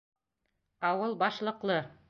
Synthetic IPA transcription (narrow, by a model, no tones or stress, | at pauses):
ɑwɤlˠbɑʃlˠɤ̆qlˠɤ